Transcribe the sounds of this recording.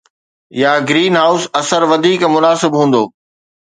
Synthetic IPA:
jaːɡɾiːnɦaːʊsɐsəɾʋɐd̪ʱiːkmʊnaːsɪbɦũːn̆d̪oː

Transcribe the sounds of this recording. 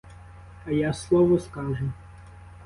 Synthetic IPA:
ɐjaslˠɔʋɔskɑʒʊ

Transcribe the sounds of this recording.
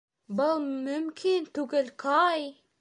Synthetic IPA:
bʊlˠmɵmkʰint̪uɡɪlkʰɑj

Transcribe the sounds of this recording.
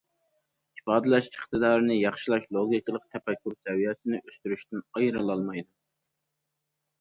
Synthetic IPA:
ifɑːd̪ɨlɛʃiχt̪ɨd̪ɑːɾɨnɨjɑχʃilˠɑʃlˠoɡʲikɨlˠəq̚t̪ʰɛpɛkʰʲːyɾsɛwijɛsɪnɪʔøst̪yɾyʃt̪ɪnɑjɾɨlˠɑlˠmɑjd̪u

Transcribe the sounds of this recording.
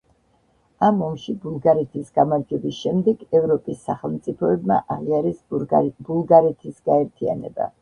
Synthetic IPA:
amɔmʃibulˠɡaɾɛt̪ʰisɡ̥amaɾd͡ʒɛbisʃɛmd̪ɛɡɛvɾɔpʼisːaχɛlˠmt̪sʼipʰɔɛbma̰ʔaʁiaɾisb̥ulˠɡaɾɛt̪ʰisɡaɛɾt̪ʰia̰nɛ̰ba̰

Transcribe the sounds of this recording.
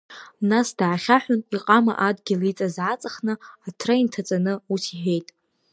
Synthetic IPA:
nasd̥aʕaχʲaħʷᶣʊniqʼama̰ʔadɡʲɪlit͡sʼazʕat͡sʼaχnɨatʰraintʰat͡sʼanɨutʰiħʷᶣe̞jtʼ

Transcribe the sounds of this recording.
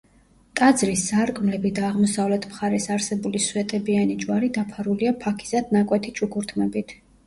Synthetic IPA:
t̪ʼad̪zɾisːaɾkʼmlɛbid̪aːʁmɔsavlɛt̪ʰmχaɾɛsaɾsɛbuliswɛt̪ʼɛbianid͡ʒwaɾid̪apʰaɾuliapʰakʰi̥z̥ad̪̥nakʼwɛt̪ʰit͡ʃʼukʰuɾt̪ʰmɛbit̪ʰ

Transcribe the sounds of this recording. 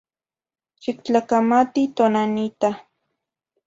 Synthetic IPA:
t͡ʃɪkt͡ɬakamat̪it̪onanɪt̪a

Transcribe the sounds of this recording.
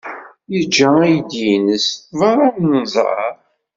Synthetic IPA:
jəd͡ʒːææjd̪jinəsvɑɾˤɑmnzˤɾɑ̰ɾ

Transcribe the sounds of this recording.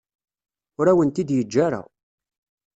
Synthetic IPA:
ʊɾæwənt̪id̪jəd͡ʒːaɾa̰

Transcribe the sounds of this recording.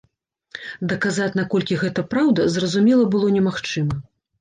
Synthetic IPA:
d̪ɐkazat͡sʲnakɔlʲkʲiɣɛt̪ɐpɾawd̪ɐzrɐzumʲɛlˠɐbɨlˠɔnʲɛmaxt͡ʂɨmɐ

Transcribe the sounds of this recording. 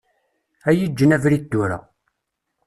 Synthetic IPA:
æjid͡ʒːənævɾid̪ːʊɾa̰

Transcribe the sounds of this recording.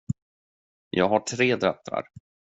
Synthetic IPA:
jɑːɡɦaʈʰɾeːd̪ɾɛt̪ːɾa̰ɾ

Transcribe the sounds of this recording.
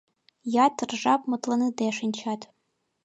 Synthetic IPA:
jatʰːɨrʐapʼmɨtʼlanɨdeʂɨnʲt͡ʃʰatʼ

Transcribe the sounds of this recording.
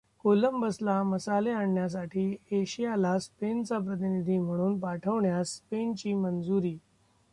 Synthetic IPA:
koləmbəslaməsaleaɳːjas̬aʈʰiːeɕijalaspent͡sap̬ɾət̪inid̪ʱiːm̤əɽ̃uːnpaʈʰəʋɳjaspent͡ɕiːmənd͡zuɾiː

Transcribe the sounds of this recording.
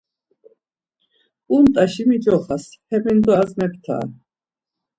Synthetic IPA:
kʼumt̪ʼaʃimid͡ʒɔχashɛmind̪ɔazmɛp̚ʰt̪ʰa̰ː

